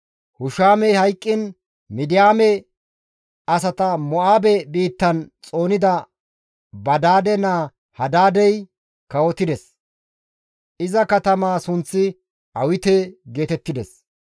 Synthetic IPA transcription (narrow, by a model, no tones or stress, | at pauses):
hʊʃaːmɛjhɐjkʼːɪn | mɪd̪ɪjaːmɛ | ɐs̬ɐt̪ɐmɔʔaːbɛbiːt̪ːɐnt͡sʼo̞ːnɪd̪ɐ | bɐd̪aːd̪ɛnaː | hɐd̪aːd̪ɛj | kɐwɔt̪ːɪd̪ɛs | ʔɪzɐkɐt̪ɐmaːsʊnt͡sːɪ | ʔɐwɪt̪ɛɡe̞ːt̪ɛt̪ːɪd̪ɛs